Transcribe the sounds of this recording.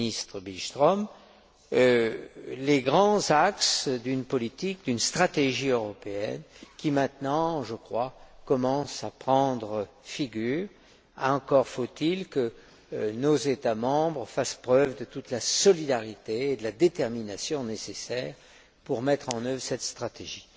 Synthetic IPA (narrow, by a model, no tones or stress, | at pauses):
ist̪χəbilt̪χɔm | ø | leɡʁɑ̃zaksd̪ynpɔlit̪ik̚d̪ynst̪χat̪eʒiøʁɔpeɛ̰nkʲimɛ̃t̪nɑ̃ʒəkχwakɔmɑ̃sapχɑ̃d̪ʁə | fiɡʲyːʁ | aɑ̃kɔʁfot̪ilkə | nozet̪amɑ̃bʁəfaspχœvd̪ət̪ut̪lasɔlid̪aʁit̪eːd̪əlad̪et̪ɛʁminasjɔ̃nesesɛːʁ | puʁmɛt̪χɑ̃nœvʁsɛt̪st̪χat̪eʒi